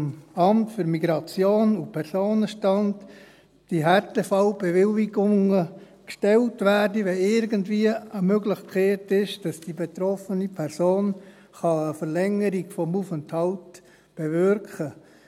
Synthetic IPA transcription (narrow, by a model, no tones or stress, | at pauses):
mɑmtfʏɾmiɡɾɑt͡sjoːnupʰɛɾsoːnəʃtɑnd | d̥iɦɛɾtɛfɑʊb̥eʋɪliɡʊŋəkʃtɛltʋæːrdiʋɛɪɾɡəntviəəmøɡlɪχkʰχɛːtɪʃd̥ɑsd̥ibetɾɔfənipʰɛɾsoːn | χɑəfəɾlɛŋəɾiɡ̥fɔmufənthɑlt | b̥evʏɾkχə